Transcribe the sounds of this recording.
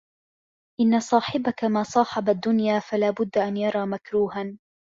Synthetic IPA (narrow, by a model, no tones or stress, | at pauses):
ʔɪnːasˤɑːħɪbakamaːsˤɑːħɑbad̪ːʊnjaːfalaːbʊd̪ːʔanjɑɾˤɑːmakɾuːhan